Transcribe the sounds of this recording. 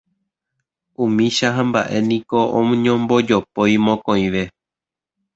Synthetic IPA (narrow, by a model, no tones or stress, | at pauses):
ũmĩʃaɦãmba̰ʔe̞nĩko̞õɲõmbo̞d͡ʒopojmõkõj̃ʋe̞